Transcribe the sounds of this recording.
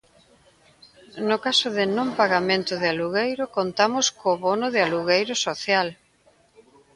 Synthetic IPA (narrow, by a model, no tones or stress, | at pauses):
nʊkasʊðɪnõmpaɣamẽnt̪ʊðɪaluɣejɾʊkont̪amʊskoβonʊðɪaluɣejɾʊsoθjal